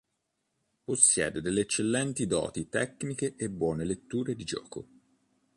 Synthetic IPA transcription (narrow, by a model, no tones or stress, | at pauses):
posːjɛ̰ːd̪ed̪elːeːt͡ʃːelːɛnt̪id̪ɔ̰ːt̪it̪ɛknikeʔebːwɔːnelet̪ːuːɾed̪id͡ʒɔ̰ːko̰